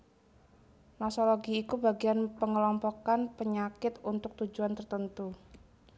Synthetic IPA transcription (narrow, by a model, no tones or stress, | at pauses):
nɔsɔloɡiːkubaɡianpəŋəlɔmpɔkanpəɲakɪt̪unt̪ʊk̚t̪ud͡ʒuant̪ərt̪ənt̪u